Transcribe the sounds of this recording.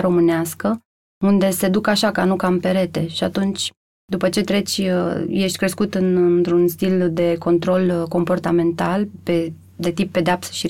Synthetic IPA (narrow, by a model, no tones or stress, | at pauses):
ɾo̞mɨneaskə | und̪e̞se̞d̪ukaʃakanukampe̞ɾe̞t̪e̞ʃiat̪unt͡ʃʲ | d̪upət͡ʃe̞t̪ɾe̞t͡ʃʲje̞ʃt̪ʲkɾe̞skut̪ɨnɨnt̪ɾunst̪ild̪e̞ko̞nt̪ɾo̞lko̞mpo̞rt̪ame̞nt̪alpe̞ | d̪e̞t̪ip̚ːe̞d̪eapsə̥ʃi